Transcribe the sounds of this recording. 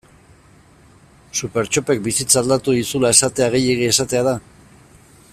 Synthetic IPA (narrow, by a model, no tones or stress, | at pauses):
supe̞ɾt͡ʃo̞pek̚bisit͡sald̪at̪uðisulae̞sat̪e̞aɣ̞e̞je̞ɣ̞ie̞sat̪e̞aða